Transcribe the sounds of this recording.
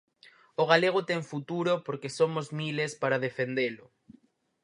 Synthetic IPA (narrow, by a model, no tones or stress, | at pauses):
oɣ̞aleɣ̞ot̪eŋfut̪uɾopoɾkesomozmilespaɾaðefend̪elo